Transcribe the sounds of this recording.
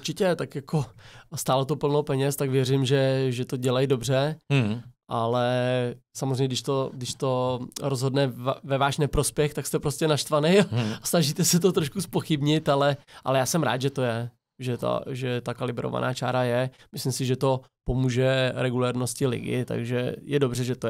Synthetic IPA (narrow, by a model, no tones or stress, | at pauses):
uɾt͡ʃɪcɛt̪akjako̞st̪aːlot̪opl̩nowpɛɲɛst̪akvjɛrɪmʒɛʒɛt̪o̞ɟɛlajdo̞br̝ɛ | ʔalɛsamozrɛjɲɛdɪʃt̪o̞dɪʃt̪o̞ɾozɦo̞dnɛvɛvaːʃnɛpɾo̞spjɛxt̪akst̪ɛpɾoscɛnaʃt̪vanɛjaasnaʒit̪ɛsɛt̪ot̪ɾoʃkuspoxɪbɲɪt̪alɛʔa̰lɛjaːsɛmɾa̰ːt̪ʒɛt̪o̞jɛ | ʒɛt̪a̰ʒɛt̪akalɪbɾo̰va̰na̰ːt͡ʃa̰ːɾajɛmɪslɪmsɪʒɛt̪o | po̞muːʒɛɾɛɡulɛɾno̞scɪlɪ̰ɡɪ̰t̪a̰ɡʒɛ̰jɛdo̞brɛʒɛt̪o